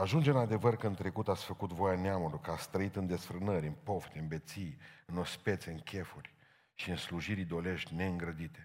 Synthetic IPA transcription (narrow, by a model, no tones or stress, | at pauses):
aʒund͡ʒeɨnad̪e̞vərkəɨnt̪ɾe̞kut̪at̪sʲfəkut̪vo̞janeamulujkəat̪st̪ɾəit̪ɨnd̪e̞sfɾɨnəɾʲɨnpo̞ft̪ɨnbe̞t̪sijɨno̞spe̞t̪seɨŋkʲʰe̞furʲ | ʃiɨnsluʒiɾid̪o̞le̞ʃt̪ʲne̞ɨŋɡɾəd̪it̪e̞̥